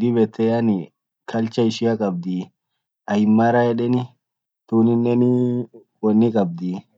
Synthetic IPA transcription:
d̪ɪbɛt̪ʰːɛjɐnɪ | kʰɐlt͡ʃɐɪʃɪɐkʼɐb̚d̪i | ɐɪmːaːɾɐɛᶑɛnɪ | t̪uːnɪnːɛnɪ | wɔnːɪkʼɐb̚d̪i

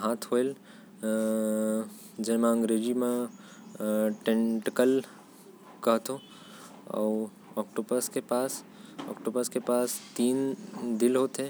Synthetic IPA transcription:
ɦaːt̪ʰɦoel | d͡ʒeɦmẽə̃ŋɡɾeːd͡ʒimẽ | ʈẽɳʈkəl | kɐɦt̪ʰõ | ɔ̰ː | ɔːkʈoːbəɾskepaːs | ɔ̰ːkʈoːbəɾskepaːst̪iːnd̪ɪlɦoːt̪ẽ

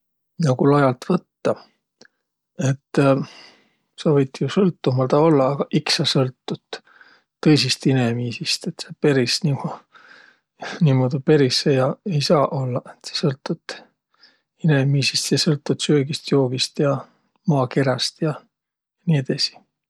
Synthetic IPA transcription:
nɑɡulɑjɑlt̪vɤt̪ːɑ | e̞t̪ː | sɑvɤjt̪ːjusɤlt̪ːumɑld̪̥ɑo̞lːɑːɡ̥ɑʔiksɑsɤlt̪ːut̪ː | ɤ̞jsist̪inemiːsist̪e̞t̪sepe̞ɾisnimo | niːmod̪ipe̞ɾisejɑe̞jsɑːʔo̞lːɑʔet̪se̥sɤlt̪ːˑut̪ | inemiːsist̪jɑsɤlt̪ːˑut̪søːɡist̪jo̞ːɡ̥ist̪jɑ | mɑːke̞ɾɑst̪jɑ | jɑnied̪ɑsi̥

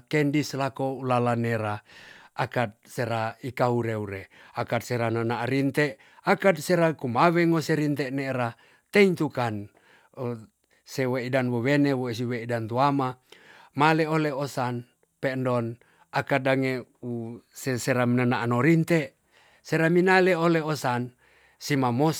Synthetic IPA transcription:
kendislakoulalaneɾaakat̪̚seɾaikauɾeuɾeakat̪̚seɾanənaʔɾint̪eʔ | akad̪̚seɾakumaweŋoseɾint̪eʔneːɾa | t̪eint̪ukan | seweidanwowenewois̬iweidant̪uamamaleoleosan | pendon | akadaŋeuseseɾamnənaʔanoɾint̪eʔ | seɾaminaleoleosan | simamos

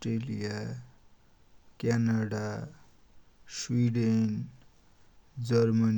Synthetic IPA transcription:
ʈrelija | kanaɽa | swiɖen | d͡zʌrmʌn

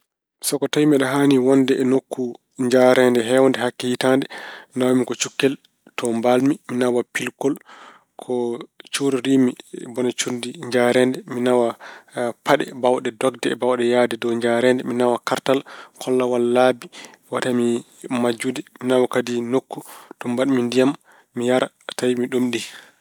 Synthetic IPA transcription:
sɔkɔtajmɛɗɔɦaːniwɔndɛʔɛnokːu | ɲd͡ʒaɾɛndɛɦɛwɔndɛɦakːɛhitandɛnawamikɔt͡ʃukːɛl | tɔmbalmiminawapilkɔl | kʰɔt͡ʃuɾiɾiːmibɔnat͡ʃundiɲd͡ʒaɾɛndɛminawapaɗɛ̰bawɗɛdɔɡdɛbawɗɛjadɛdɔwɲd͡ʒaɾɛndɛminawakaɾtalkʰɔlːawalːabi | watami | mad͡ʒudɛminawakadinokːutɔmbaɗmindijamː | ijaɾa | tajimiɗumɗi

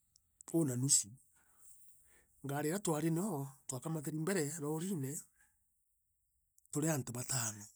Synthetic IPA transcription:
onanisi | ŋɡaɾeɾatwaɾenɔtwakamateɾimbɛɾɛɾɔɾinɛ | toɾeantoβataːno

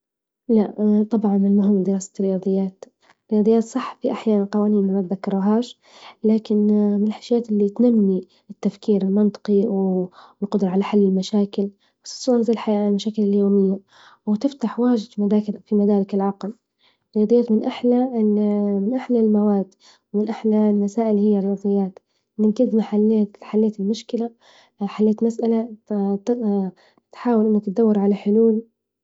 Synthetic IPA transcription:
laʔt̪ˤɑbʕɑnmɪnmʊɦɪmːd̪ɪɾɑːsḁt̪rɪjɑːd̪ˤɨjːaːt̪ | ɾɪjɑːd̪ˤɨjːaːt̪sˤɑħːfiʔaħjaːnanqɑwaːniːnmamab̪ðakːɑɾˤuɦaːʃ | laːkɪnmɪnɪlħaʃjaːt̪ʔɪlːit̪namːi | ɪt̪ːafkiːɾɪlmɑnt̪ˤɨ̥qiwɪlqʊd̪ɾˤʕalaħalːɪlmaʃaːkɪl | basˤɑ̥sˤunazaːlħajaːʔlmaʃaːkɪlɪljoːmɪjːa | wɪt̪ɪft̪aħwaːʒɪd̪fimad̪aːkfimad̪aːɾɪkɪlʕɑql | ɾˤɪjɑd̪ˤɨjːaːt̪mɪnʔaħlaɪnmɪnʔaħlalmawaːd̪ | wɪmɪnʔaħlalmasaːʔɪlhɪjːarˤɪjɑːd̪ˤɨjːaːt̪ | mɪnɡɪd̪maħalːaːt̪ħalːeːt̪ɪlmʊʃkɪla | ħalːeːt̪masʔala | t̪ħaːwalʔɪnːukɪt̪̚d̪awːɑɾˤʕalaħʊluːl

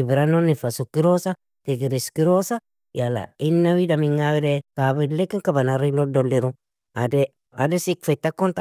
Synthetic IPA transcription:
ibɾanonifasukiɾosa | teɡiɾiskiɾosa | jala̰inːawidamiŋawidekabilekːiŋkabanaɾilodolːiɾu | ade | a̰desikfetːakont̪a

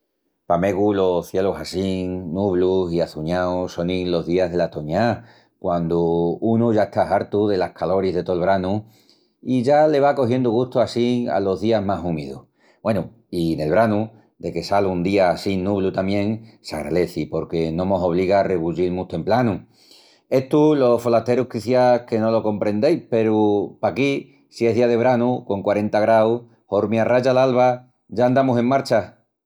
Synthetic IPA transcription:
pame̞ɣulo̞θje̞losasiŋnuβlusiaθuɲaoso̞niŋlo̞ɦðiaɦð̞e̞lat̪oɲa | kwand̪uunuʝaeht̪aɦaɾt̪uðe̞lahkʰalo̞ɾiɦðe̞t̪oelβ̞ɾanu | iʝale̞β̞ako̞ɦje̞nd̪uɣuht̪oasia̰lo̞ɦðiaɦmasumiðṵh | bwe̞nu | ine̞lβɾanu | d̪e̞ke̞salund̪iasinːuβlut̪amjẽ̞ŋsa̰ɣɾa̰le̞θipo̞ɾke̞nõ̞mo̞so̞β̞liɣare̞βuʎilmut̪e̞mplanu | e̞ht̪ulo̞fo̞lat̪e̞ɾukiθjake̞no̞lo̞ko̞mpɾẽ̞nd̪e̞jpe̞ɾupaki | sie̞ɦðiaðe̞β̞ɾanuko̞ŋkwaɾe̞nt̪aɣɾaw | ho̞ɾmjaraʝalalβa | ʝaand̪amuse̞ŋmaɾt͡ʃa

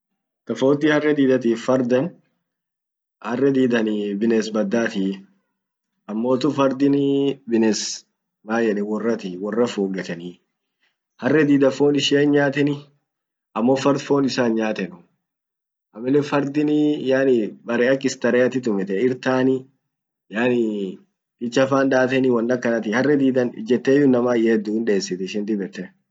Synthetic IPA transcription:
t̪ɐfoːt̪ːɪhɐrːɛd̪iːd̪ɐt̪̬iːfːɐɾd̪ɐn | hɐrːɛd̪iːd̪ɐnɪbɪnɛsbɐd̪ːaːt̪i | ɐmːo̞ːt̪ʊfɐɾd̪ɪnɪbɪnɛs | maːjɛᶑɛwɔrːɐt̪iwɔrːɐfoːɡɐt̪ɐni | hɐrːɛd̪iːd̪ɐfo̞ːnɪʃɪɐnɲaːt̪ɛnɪ | ɐmːofɐɾd̪foːnɪsaːnɲaːt̪ɛnʊ | ʔɐmːɪlːɛfɐɾd̪ɪnijaːnɪbɐɾɛɐkːɪst̪ɐɾɛɐt̪ɪt̪ʊmɛt̪ɛɪɾt̪aːnɪ | jaːnɪ | d̪ɪt͡ʃːɐfaːnd̪aːt̪ɛnɪwɐnd̪ɐkːɐnɐt̪ɪhɐrːɛd̪iːd̪ɐnd͡ʒɛt̪ːeːjʊnːɐmaːjɛːd̪uhɪnᶑe̞ːsːɪt̪ɛɪʃɪnd̪ɪbɛt̪ːɛ

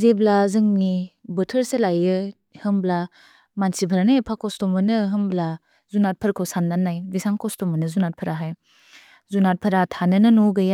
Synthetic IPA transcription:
zeblazɯŋnibɯtʰəɾselajɯ | hɯmbla | mansipʰəɾanapʰakɔstɔmɯnɯɦɯmbla | zunat̚pʰɐɾkʰowsanːanːajbisaŋkɔstɔmɯnɯzunat̚pʰɐɾaɦaj | zunat̚pʰɐɾatʰanɯnɯnoɡɯja

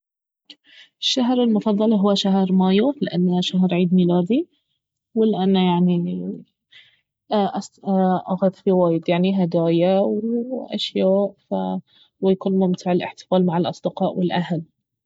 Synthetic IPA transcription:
ɪʃːaɦɾɪlmʊfɑðˤːɑlɦʊwːaʃaɦɾˤmaːjulɪʔanːaʃaɦɾˤʕiːd̪miːlaːd̪i | wɪlʔanːajaʕni | ʔsʔaxad̪fiwaːjd̪jaʕniɦad̪aːjawɪʔa̰ʃjaːʔfa | wɪjakuːnmʊmt̪ʰɪʕɪlʔɪ̰ħt̪ɪ̥faːlmaʕɪlʔɑsˤd̪ɪqɑːʔwɪlʔahl

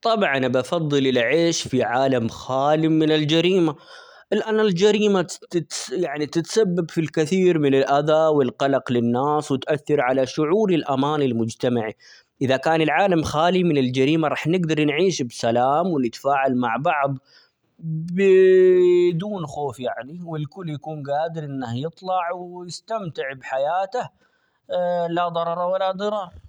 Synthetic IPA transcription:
t̪ˤɑbʕanbɑfɑðˤːɨlɪlʕeːʃfiʕaːlamxaːlimɪnɪld͡ʒaɾiːma | ʔɪlʔaːnɪld͡ʒaɾiːmatɪt̪jaʕnit̪ɪt̪sabːabfilkɪθiːɾmɪnɪlʔaðawɪlqɑlɑqlɪnːaːswɪt̪ʔaθːɑɾʕalaʃʊʕuːɾɪlʔamaːnɪlmʊd͡ʒt̪amaʕi | ʔɪðakaːnɪlʕaːlamxaːlimɪnɪld͡ʒaɾiːmaɾˤɑːħnɪɡd̪ɑɾˤnʕiːʃbsalaːmwɪnɪt̪ḁfaːʕalmaʕbɑʕðˤ | bɪ | d̪uːnxoːfjaʕniwɪlkʊlːjakuːnɡaːd̪ɪɾʔɪnːahjɨt̪ˤlɑʕwjɪst̪amt̪ɪʕbħajaːt̪ah | lad̪ˤɑɾˤɑɾˤɑwalːad̪ɨɾˤɑː

